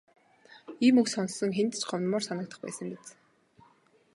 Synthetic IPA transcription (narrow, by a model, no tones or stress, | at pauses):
iːmɵksɔnsːɞ̆ŋxent̪ɘ̥̆t͡ɕɢɔwnmʊːrsanə̆kt̪ə̥̆χpæ̰ːsə̆ŋpet͡s